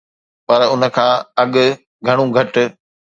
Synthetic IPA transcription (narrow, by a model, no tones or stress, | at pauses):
pɐɾʊnə̆kʰãːɐɠʊ̆ | ɡʱɐɽ̃ũɡʱɐʈʊ̆